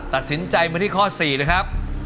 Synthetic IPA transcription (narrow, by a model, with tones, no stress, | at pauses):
t̪a˨˩t̪̚si˩˦nt͡ɕa˧jmaː˧t̪ʰiː˥˩kʰɔː˥˩siː˨˩na˦˥kʰa˦˥p̚